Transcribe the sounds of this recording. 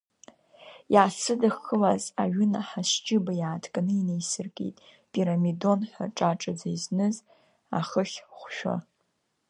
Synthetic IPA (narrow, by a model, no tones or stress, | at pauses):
jaːsɨdaxəlazaɥʏnaħaʃd͡ʒʼɪbajaːtʰkʼanɨinejsɨrkʼḛtʼ | pʼiɾamido̞nħʷa̰ʈ͡ʂʼaʈ͡ʂʼad͡zaiznɨz | a̰χəχʲχʷʃᶣʷa̰